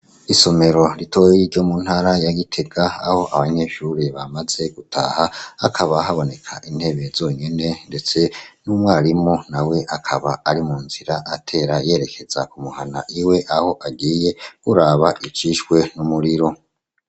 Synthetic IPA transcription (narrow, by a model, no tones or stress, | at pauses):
iso̞me̞ɾo̞ɾito̞jiɾɟo̞muːn̥haɾajaɡitʰe̞ɡaaho̞ʔaβaɲe̞ʃuɾiβamaze̞ɡ̥utʰa̰ːhaakʰaβaɦaβo̞ne̞kʰaʔin̥he̞βe̞zo̞ːɲe̞ne̞nde̞t͡se̞numwaːɾimonawe̞ʔakʰaβaaɾimuːnziɾaʔatʰe̞ːɾaje̞ːɾe̞kʰe̞z̥a̰kumuhana̰ʔiwe̞ʔaho̞ʔaɡiːje̞kuɾaːβaʔit͡ʃiʃwe̞numuɾiɾo̞